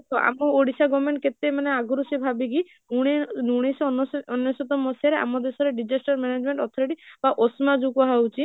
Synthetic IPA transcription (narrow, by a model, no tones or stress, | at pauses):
t̪ʰɔa̰mɔoɽisaɡɔmeɳʈket̪emaneaɡɔɾusebʱabiki | uɽenuɽ̃esɔnɔnjɔsɔt̪ɔmɔsaɾea̰mɔd̪esɔɾeɖid͡ʒesʈɔɾmened͡ʒmẽɳʈɔt̪ʰɔɾeʈibaʔosmad͡ʒukɔɦawt͡ʃʰi